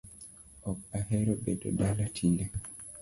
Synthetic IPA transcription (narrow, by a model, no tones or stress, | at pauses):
ɔk̚ahɛɾɔbɛdɔ̰dalatʰilɛ